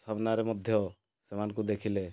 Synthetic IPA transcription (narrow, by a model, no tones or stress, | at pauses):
sʰabnaɾemɔd̪ʱjɔ | semankud̪ekʰile